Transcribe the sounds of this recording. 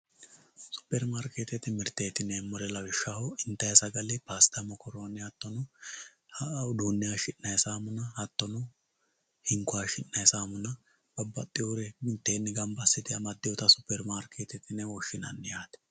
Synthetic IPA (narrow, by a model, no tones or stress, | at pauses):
sʊ̥pːɛɾmaːɾkeːt̪ɛt̪ɪmɪɾt̪eːt̪ɪnɛːmːɔɾɛlɐwɪʃːahɔɪnt̪ːɐjɐsɐɡɐlɪpaːst̪ɐmɔkɔɾoːnːɛhɐt̪ːɔnʊ | d̪uːnːɪjaʃɪnːɐjsaːmʊnɐhɐt̪ːɔnʊ | hɪŋkʊaʃɪnːɐjsaːmʊnɐ | b̥ɐbːɐt̪ʼːɪjoɾɛmɪnt̪ːeːnːɪɡɐmbɐsːɪd̪ɪɐmɐd̪ːɪjɔt̪ɐsʊpːɛɾmaːɾkʰeːt̪ɛt̪ɪnɛwɔʃːɪnɐ̰nːɪjaːt̪ɛ̥